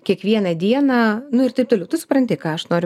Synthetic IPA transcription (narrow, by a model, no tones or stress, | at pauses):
kʲiɛkʋʲiɛnɐd̪ʲiɛnɑːnʊɪrt̪ɐɪp̚t̪oːlʲɛʊt̪ʊsʊ̥pɾɐnʲt̪ʲɪkɑːɐʃnoːɾʲʊ